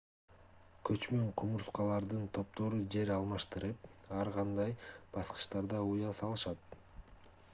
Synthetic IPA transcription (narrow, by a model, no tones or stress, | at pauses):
kʰøt͡ʃmøɴqʰumuɾsqɑlˠɑɾd̪ɯnt̪ʰo̞p̚t̪ʰo̞ɾud͡ʒe̞ɾɑlˠmɑʃt̪ɯɾɯpɑɾʁɑnd̪ɑjb̥ɑsqɯ̥ʃt̪ɑɾd̪ɑujɑsɑlˠɯʃɑt̪̚